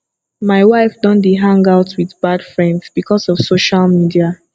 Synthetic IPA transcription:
maɪwaɪfdɔ̃ndeɦãŋɡaʊtʰwiðbad̥fɹɛ̃ndsb̥ikʰɔsɔv̥soʃalmidia

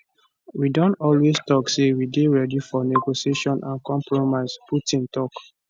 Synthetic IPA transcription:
widɔ̃ntɔlwestɔksewideɹɛdifɔneɡosieʃɔ̃nʔãnkɔ̃mpɹomaɪsputĩntɔk

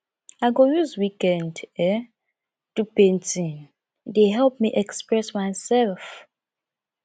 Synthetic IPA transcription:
aɪɡojuzwikɛ̃ndɛ | tupẽntĩn | deɦɛlp̚miʔɛkspɹɛsmaɪsɛlf

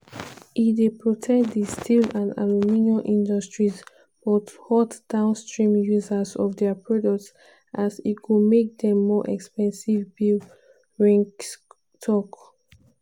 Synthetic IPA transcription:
idepɹɔtʰɛkd̪istʰilãna̰luminoʔĩndɔstɹiz | b̥ɔthɔtd̥ãʊ̃nstɹĩmjuzəzɔvdɛpɹɔdɔk̚ts | ʔasitkumek̚dɛ̃mːɔʔɛ̰kspɛ̃nsivbil | ɹɛ̃ŋk | tʰɔk

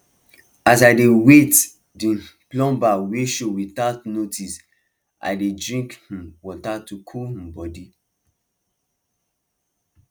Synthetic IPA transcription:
asaɪdewet | dĩplɔ̃mbaweʃowitatnotʰis | a̰ɪdedɹĩŋkhĩmwɔtatukʰulhĩmbɔdi

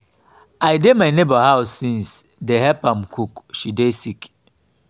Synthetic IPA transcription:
ajdemaɪnebahaʊsːĩnsdeɦɛpãmkʰukʃidesik

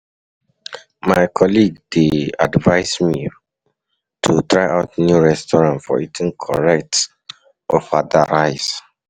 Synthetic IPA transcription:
maɪkʰɔliɡdea̰dvaɪsmi | tʰutɹaɪʔaʊtnjuɹɛstɔɹãntfɔ̰itʰĩnkʰɔɹɛk̚t | ʔɔfada̰ɹaɪs

